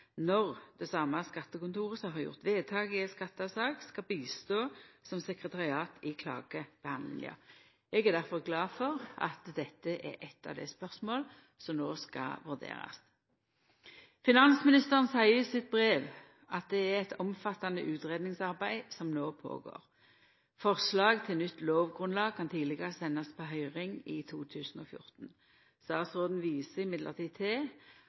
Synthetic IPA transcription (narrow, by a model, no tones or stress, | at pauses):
nɔʁd̪̥ɛsɑːmːɑskɑt̪ːəkʊnt̪uːʁəsɔmɦɑʁjʊ̰ʁt̪ʋeːt̪ʰɑːɡəɛskɑt̪ːəɑʋsɑːkskɑbiːst̪oːsɔmsɛkʁət̪ʰɑʁɪɑːt̪ʰɪkʰlɑ̰ːɡəb̥əhɑnd̪ɪ̰ŋɪ̰ɑ̰ | ɛɡæʁd̪æʁfɔʁɡlɑːdfɔʁɑ̰t̪d̪ɛt̪ːəʔɛ̰ʔɛt̪ːɑ̰ʋd̪ɛ̰spœʁsmoːl | sɔmnoːskɑ̰ʋʉʁd̪ḛːʁɑ̰s | fɪnɑnsmɪnɪst̪əʁənsæɪəsɪt̪̚bʁeːʋ | ɑt̪̚d̪ɛæʁɛt̪ɔmfɑt̪ːɑnə̰ʔʉːt̪ʁeːd̪nɪŋsɑʁbæɪsɔmnoːpʰo̰ːɡo̰ːʁ | fɔʁslɑːɡt̪ʰɪlnʏt̪ːloːʋɡʁʉnlɑːɡ̚kʰɑnt̪ʰiːd̪lɪɡəʁəsɛnːɑspʰoɦœʏʁɪŋɪt̪ʰuːt̪ʰʉːsn̩o̰ːfjʊ̰ʁt̪n̩ | st̪ɑːsʁoːd̪n̩ʋiːsəɪmɪd̪ləʁt̪ʰiːt̪ʰɛ